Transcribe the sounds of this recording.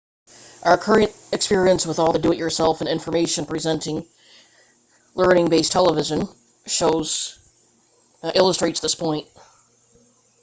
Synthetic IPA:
ʔaʊə˞kʰɜ˞ɨ̃nt | ɨkspɪɹiɨ̃nswəðɔlˠðədʉɨt͡ʃə˞sɛlˠfɨ̃nɪ̃ɱfə˞meɪʃɨ̃npʰɹ̥izɛ̃ntɪ̃ŋ | lɜ̃˞nɪ̃ŋbeɪstʰɛlˠəvɪʒɨ̃n | ʃoʊz̥ | ʔɪlˠəstɹ̥eɪtsðɪspʰɔ̃ɪ̃nt̚

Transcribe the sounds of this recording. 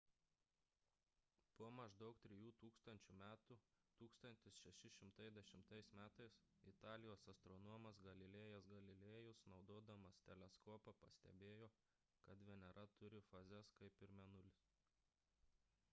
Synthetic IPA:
puɔmɐʒd̪ɐʊk̚t̪ʲɾʲɪjuːt̪uːkst̪ɐnʲt͡ʃʲuːmʲæːt̪uːt̪uːkst̪ɐnʲt̪ʲɪsʃʲɛʃʲɪʃʲɪmt̪ɐɪzd̪ʲɛʃʲɪmt̪ɐɪsmʲæːt̪ɐɪsɪt̪ɑːlʲɪjoːsɐst̪ɾɔnɔɔmɐsɡɐlʲɪlʲeːjɛsɡɐlʲɪlʲeːjʊsnɒʊd̪oːd̪ɐmɐst̪ʲɛlʲɛskoːpɐpɐsʲt̪ʲɛ̰bʲeːjoː | kɐt̪d̪ʲʋʲɛnʲɛɾʔɐt̪ʊɾʲɪfɐzʲɛskɐɪpɪɾmʲɛnʊlʲɪs

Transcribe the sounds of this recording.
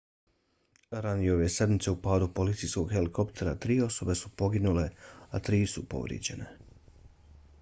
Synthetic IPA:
ɾanjeo̞ʋese̞d̪mit̪se̞upaːd̪upo̞lit̪sijsko̞ɡxe̞liko̞pt̪ʰe̞ɾat̪ɾiːo̞so̞be̞supo̞ɡinule̞at̪ɾiːsupo̞̰ʋɾjḛd͡ʑe̞̰ne̞

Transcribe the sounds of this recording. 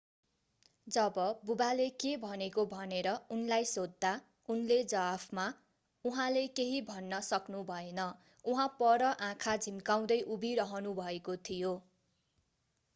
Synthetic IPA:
d͡zʌbʌbubalekebʱʌnekobʱʌneɾʌunlajsod̪ːa | unled͡zʌapʰma | uɦãlekeɦibʱʌnːʌsʌknubʱʌenʌ | uɦãpʌɾʌʔãkʰad͡zʱimkaw̃d̪ʌjʔubʱiɾʌɦʌnubʱʌekot̪ʰijo

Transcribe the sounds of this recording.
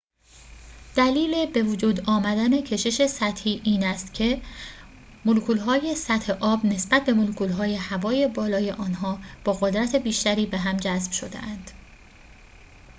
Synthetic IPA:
d̪̥æliːle̞be̞vod͡ʒuːd̪ɒːmæd̪æne̞cʰe̞ʃe̞ʃe̞sæt̪hiːʔiːnæst̪cʰe̞ | molukʰuːlɦɒːje̞sæt̪he̞ʔɒːbne̞sb̥æt̪̚be̞molukuːlɦɒːje̞hævɒːje̞bɒːlɒːje̞ʔɒːnɦɒːb̥ɒːɣod̪ɾæt̪ʰe̞biːʃt̪æɾiːbe̞ɦæmd͡ʒæzb̥ʃod̪ḛʔænd̪̥

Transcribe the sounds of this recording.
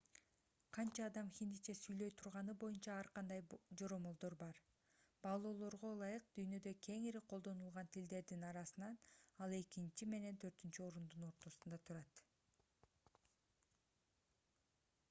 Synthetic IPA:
qʰɑnt͡ʃɑːd̪ɑmxʲind̪it͡ʃesyjlø̞jt̪ʰuɾʁɑnɯbo̞junt͡ʃɑɑɾqɑnd̪ɑjd͡ʒo̞ɾo̞molˠd̪o̞ɾbɑɾ | bɑlˠo̞ːlˠo̞ɾʁo̞lˠɑjɯq̚d̪yjnø̞d̪ø̞kʰe̞ŋiɾiqʰolˠd̪o̞nulˠʁɑnt̪ʰild̪e̞ɾd̪inɑɾɑsɯnɑnɑlˠe̞kint͡ʃime̞ne̞nt̪ʰø̞ɾt̪ynt͡ʃyo̞ɾund̪uno̞ɾt̪o̞sund̪ɑt̪ʰuɾɑt̪

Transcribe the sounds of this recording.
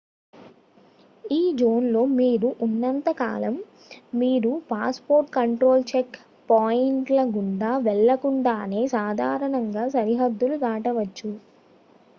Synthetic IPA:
iːd͡ʒo̞ːnlo̞ːmiːɾuʔunːɐnt̪ɐka̰ːlɐmː | iːɾupaːspo̞ːɾʈkɐɳʈɾo̞ːlt͡ʃek | paːjiɳʈlɐɡuɳɖaːʋɛɭːɐkuɳɖaːne̞ːsaːd̪ʱaːɾɐɳɐŋɡaːsɐɾiɦɐd̪ːulut̪aːʈɐʋɐt͡ʃːu

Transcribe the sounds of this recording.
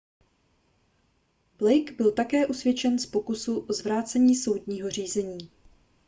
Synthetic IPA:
b̥lɛjkbɪlt̪akɛːʔusvjɛt͡ʃɛnspo̞kʊsuʔozvɾaːt͡sɛɲiːso̞wd̪ɲiːɦo̞r̝iːzɛɲiː

